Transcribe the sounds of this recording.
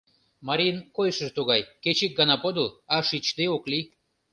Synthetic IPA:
mɑɾʲinkojʃəʒt̪uɣɑjket͡ɕik̚ɡɑnɑpod̪əlɑʃit͡ɕd̪eokli

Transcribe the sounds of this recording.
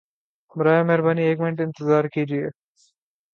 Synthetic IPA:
mɾaːjemɛɦɾbaːnieːkmɪɳʈɪ̃nt̪ɪzaːɾkid͡ʒieː

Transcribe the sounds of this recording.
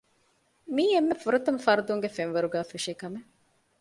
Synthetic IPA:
miːemːefuɾɐt̪ɐmfɐɾɐd̪uŋɡefenʋɐɾuɡæːfiʂiːkɐme

